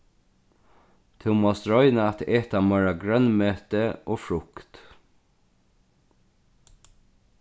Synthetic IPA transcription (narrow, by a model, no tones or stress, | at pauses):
t̪ʰɪwmoɔst̪ɹɔʏnaat̪eːt̪amœɹaɡɹœnmøːt̪əoːfɹʊkt̪